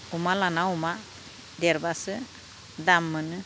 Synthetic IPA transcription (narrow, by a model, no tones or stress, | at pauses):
umalanauma | d̪ɛɾbasɯ | d̪amːənɯ